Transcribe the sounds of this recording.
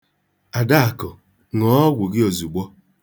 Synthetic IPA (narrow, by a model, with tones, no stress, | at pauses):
a˨da˦a˨kɔ˨ | ŋɔ˨˦ɡʷʊ˨ɡɪ˦o˨zu˨ɡ͡bɔ˦